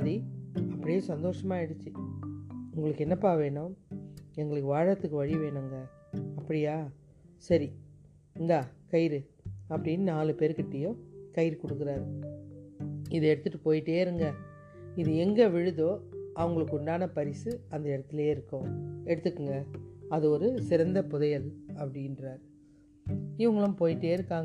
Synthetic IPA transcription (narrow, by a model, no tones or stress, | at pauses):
ðiɐpːɐɽɪjeːsɐnd̪oːʂɐmaːɛɽɯt͡ʃːɯ | ʊŋɡɐɭɯkːɛnːɐpːaːʋeːɳʊ̃ | ɛŋɡɐɭɯkːɯʋaːɻɐt̪ːɯkːɯʋɐɻɪʋeːɳɯŋɡɐ | ɐpːɐɽɪjaː | sɐɾi | ŋɡaːkɐjɪɾɯ | ɐpːɐɽɪnːɯnaːlɯpeːɾkɪʈːɐjʊ̃kɐjɪɾɯkɔɽɯkːɯɾaːɾɯ | ɪðɯɛɽɯt̪ːɯʈːɯpoːjɪʈːeːɪɾɯŋɡɐ | ɪðɯɛŋɡɐʋɪɻɯðoːʔɐʋɐŋɡɐɭɯkːɯʊɳɖaːnɐpɐɾɪsɯɐnd̪ɐɪɽɐt̪ːɪleːɪɾɯkːʊ̃ɛɽɯt̪ːɯkːɯŋɡɐɐðɯɔɾɯsɪɾɐnd̪ɐpʊðɐjɐlɐpːɐɽɪndɾaːɾ | ɪʋɐŋɡɐɭʊ̃mpoːjɪʈːeːɪɾɯkːaːŋ